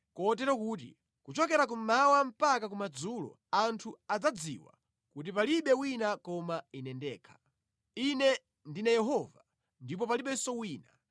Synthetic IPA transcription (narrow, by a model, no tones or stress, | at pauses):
kɔt̬ɛɾɔkuːt̬ḭ | kut͡ʃɔkɛɾak̬umawam̩pakak̬umad͡zuːlɔ̰ | antʰuad͡zad͡zḭwa̰ | kut̬ipaliɓɛwinakɔmainɛndɛ̰ːkʰḁ | inɛ | ndinajɛɦɔva | ndipɔpaliɓɛsɔwiːna